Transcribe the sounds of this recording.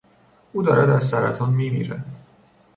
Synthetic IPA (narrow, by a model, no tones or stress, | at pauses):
ʔuːd̪ɒːɾæd̪æzsæɾæt̪ʰɒːnmiːmḭɾæ